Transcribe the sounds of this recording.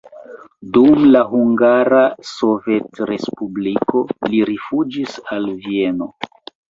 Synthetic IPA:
dumlaɦuŋɡaɾaso̞ve̞tɾe̞spubliko̞liɾifud͡ʒisalvie̞no̞

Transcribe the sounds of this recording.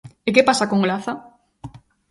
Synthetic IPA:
ekepasakoŋlaθa

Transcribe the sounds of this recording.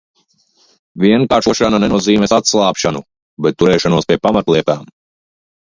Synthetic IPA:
vʲiɛŋkaːɾʃuɔʃananɛnuɔziːmɛsat̪slˠaːpʃanu | bɛt̪̚ːuɾɛːʃanuɔspʲiɛpamat̪lˠiɛt̪aːm

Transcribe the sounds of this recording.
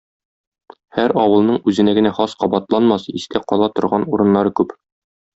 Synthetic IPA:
hæɾɒwɤ̆lˠnɤɴʉzɘ̆næɡɘ̆næχɒsqɒbɑt̪lˠɑnmɑsiskæqɒlˠɑt̪ŏɾʁɑnuɾɤ̆nːɑɾɤkʉp

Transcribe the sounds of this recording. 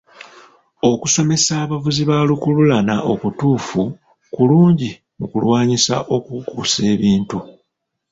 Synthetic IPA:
o̞kuso̞me̞saːβavuziβalukululanaʔo̞kutuːfu | kuluːɲɟi | mukulwaːɲisa̰ʔo̞kukuːse̞ːβiːntu

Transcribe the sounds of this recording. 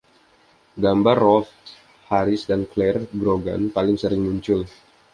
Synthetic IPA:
ɡambarːɔf | haɾɪsdanklɛrɡɾoɡa̰npalɪŋsəɾɪŋmuɲt͡ʃʊl

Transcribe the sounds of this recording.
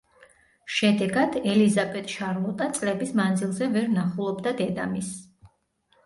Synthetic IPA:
ʃɛd̪ɛɡad̪ɛlizabɛt̪ʼʃaɾlˠɔt̪ʼat̪sʼlɛbismand̪zilˠzɛvɛɾnaχulˠɔbd̪ad̪ɛd̪amis

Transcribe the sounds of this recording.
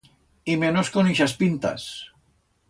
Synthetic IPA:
imenoskoniʃaspint̪a̰s

